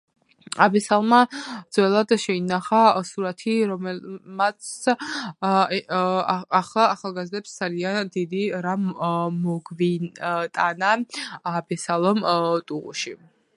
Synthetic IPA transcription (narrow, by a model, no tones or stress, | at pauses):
abɛsalˠmad̪z̥wɛlˠad̪ʃɛinaχasuɾat̪ʰiɾɔmɛmat̪s | aχlˠaːχalˠɡazd̪ɛpsd̪zaliand̪id̪iɾammɔɡvit̪ʼanaabɛsalˠɔmt̪ʼuʁṵʃi